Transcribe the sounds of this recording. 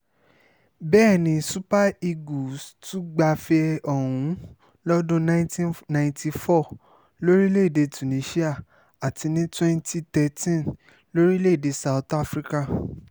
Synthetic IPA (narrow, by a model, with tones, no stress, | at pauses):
bɛː˦˨nĩ˧su˦pa˦i˧ɡu˨stu˦ɡ͡ba˧fɛ˧ɔ̃˨ũ˨˦ | lɔ˦dũ˦nã˦˧˦tĩ˦nã˧ĩ˧nti˧fɔ˦˨ | lo˦ɾi˦le˦˨de˧tu˨nĩ˨˧˦ʃi˦a˦˨ | a˨ti˧nĩ˦twɛ̃˦nti˦tɛ˧tĩ˦n | lo˦ɾi˦le˦˨de˧sa˨u˨ta˦fɾi˦ka˦˨